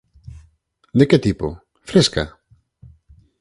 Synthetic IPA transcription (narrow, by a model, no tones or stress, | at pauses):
d̪eket̪ipo̰ | fɾeska̰